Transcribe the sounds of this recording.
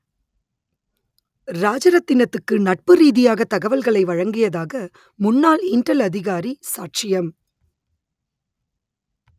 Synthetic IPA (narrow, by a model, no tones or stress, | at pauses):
ɾaːd͡ʒɐɾɐt̪ːɪnɐt̪ːɯkːɯnɐʈ̚pɯɾiːðɪjaːɣɐt̪ɐɣɐʋɐlɣɐɭɐɪʋɐɻɐŋɡɪjɐðaːɣɐ | mʊnːaːlɪɳʈɐlɐðɪɣaːɾisaːʈ̚t͡ʃɪjɐm